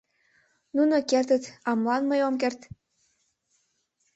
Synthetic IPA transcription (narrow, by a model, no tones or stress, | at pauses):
nunokert̪ə̆t̪ɑmlˠɑnməjomkert̪